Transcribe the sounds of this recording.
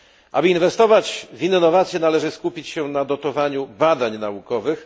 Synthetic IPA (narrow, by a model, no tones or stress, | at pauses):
ʔa̰bɘinvɛst̪ɔvad͡ʑvʲinːɔvat̪sʲjɛnalɛʐɘskupʲit͡ɕɕɛnad̪ɔt̪ɔvaɲubad̪aɲnaukɔvɘx